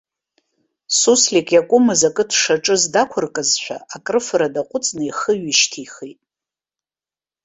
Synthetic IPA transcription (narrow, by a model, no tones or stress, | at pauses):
suslʲikʼjakʷʼʊmɨzakʼɨtʰʂaʈ͡ʂʼɨzdakʷʰʊrkʼɨzʃʷᶣa̰akʼrɨfɨɾadaqʷʼʊt͡sʼnɨiχəɥɪʃtʰiχitʼ